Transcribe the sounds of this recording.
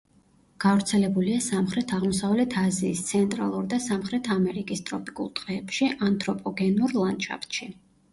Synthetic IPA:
ɡ̥avɾt̪sʰɛlɛbuliasamχɾɛt̪ʰaʁmɔsavlɛt̪ʰaziːst̪sʰɛnt̪ʼɾa̰lˠuɾd̪asamχɾɛt̪ʰamɛɾikʼist̪ʼɾɔpʼikʼṵlˠt̪ʼqʼɛːpʃiʔant̪ʼɾɔpʼɔɡɛnuɾlˠant͡ʃʰʼa̰pt̪ʃi

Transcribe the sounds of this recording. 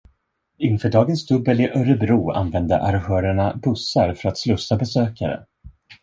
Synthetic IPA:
ɪnfœːɖɑːɡənsd̪ɵbːəlɪʔœɾəbɾuːa̰nvɛnd̪ə̰ʔaɾhœːɾəɳabɵsːaɾfœɾat̪slɵsːabɛsøːkaɾə̰

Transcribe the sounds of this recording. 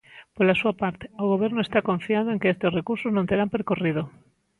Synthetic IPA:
polasuapaɾt̪e̥oɣ̞oβ̞eɾnoest̪akõɱfiaðoeŋkeest̪esrekuɾsoznõnt̪eɾampeɾkoriðo

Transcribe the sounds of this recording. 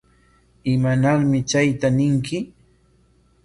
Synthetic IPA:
ɪmanaɾmɪt͡ʃajt̪anɪŋkɪ

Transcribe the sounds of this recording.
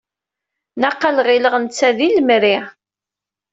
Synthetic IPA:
naqːalʁiləʁənt͡sːæðilmɾi

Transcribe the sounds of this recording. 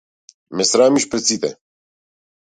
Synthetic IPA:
mɛsɾaːmiʃpɾɛt̪sit̪ɛ

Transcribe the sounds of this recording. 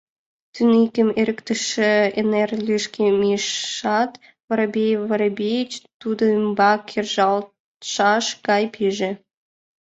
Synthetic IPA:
t̪ynikʲəmeɾəkt̪ə̆ʃĕenerlyʃkʲemiʃɑt̪ | βəɾbʲejβəɾbʲejt͡ɕt̪ud̪ombɑkʲʰerʒɑl | ʃɑʃkɑjpʰiʒe

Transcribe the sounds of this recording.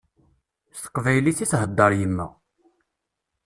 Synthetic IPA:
st̪ə̥qːvæjliθiθhəd̪ːɑɾjəmːæ̰

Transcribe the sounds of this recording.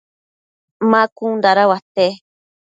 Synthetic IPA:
mãkund̪aɾawat̪e

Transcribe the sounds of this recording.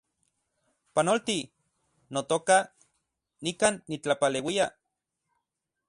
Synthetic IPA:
panolt̪i | not̪oka | nikaːnːit͡ɬapalewia

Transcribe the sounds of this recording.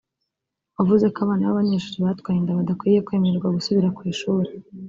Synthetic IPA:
avuze̞kaβaːnaβa̰βaɲe̞ːʃuːɾiβatkwaːjindaβadakwiːje̞kwe̞ːmeɾɡwaɡusuβiɾakwiːʃuːɾe

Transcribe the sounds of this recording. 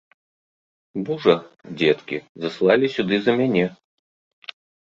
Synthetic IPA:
buʐɐd͡zʲɛt̪kʲḭzɐslˠalʲisʲud̪ɨzɐmʲanʲɛ

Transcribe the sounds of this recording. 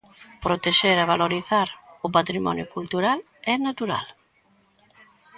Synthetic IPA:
pɾot̪eʃeɾaβaloɾiθaɾʊpat̪ɾimɔ̰njʊkult̪uɾal | ɛnat̪uɾa̰l

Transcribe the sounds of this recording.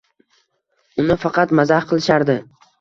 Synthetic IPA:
ʊnɪfɑqʰɑt̪mazahqʰɨlˠɪʃaɾd̪ɪ

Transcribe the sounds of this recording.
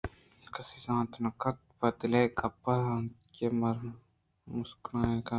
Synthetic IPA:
kɐsisãːt̪nɐkɐt̪̚pɐt̪lekɐpːɐãnkemɐɾ | musknaːeka

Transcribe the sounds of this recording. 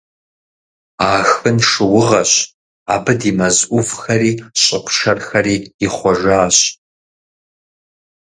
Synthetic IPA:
aːxɨnʂɨwʊʁɐɕ | aːbɨdimɐzʔʷʊvxɐɾiːɕʼɪkʷʰʃɐrxɐriːiχʷɔʒʷaːɕ

